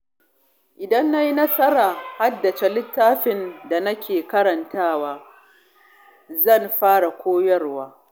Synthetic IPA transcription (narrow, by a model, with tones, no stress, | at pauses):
ʔɪ˨dɐ˦nːa˦ji˦nɐ˦sɐ˦ɾaː˨ha˦dːɐ˨t͡ʃe˦lɪ˦tːaː˦ɸɪ˨nda˨nɐ˦kʲeː˨kɐ˦ɽɐ˨ntaː˦waː˦ | zɐ˦˨nɸaː˦ɽa˨kʷoː˦jɐ˦rwaː˦